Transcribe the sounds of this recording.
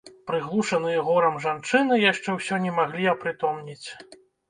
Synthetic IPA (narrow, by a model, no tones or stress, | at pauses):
pɾɨɣlˠuʂɐnɨjɐɣɔɾɐmʐant͡ʂɨnɨjaʂt͡ʂɛwsʲɔnʲɛmaɣlʲiɐpɾɨt̪ɔmnʲit͡sʲ